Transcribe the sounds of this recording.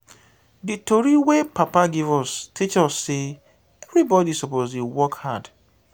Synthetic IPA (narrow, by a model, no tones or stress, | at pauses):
ditoɾiwepapaɡivɔstʰit͡ʃɔsːe | ɛvɾibɔdisɔpoziwɔkhad